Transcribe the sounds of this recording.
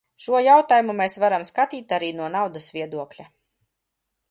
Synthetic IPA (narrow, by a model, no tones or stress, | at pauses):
ʃuɔjawt̪aːjumumɛːsvaɾamskat̪iːt̪aɾiːnuɔnawd̪ɐsvʲiɛd̪uɔklʲa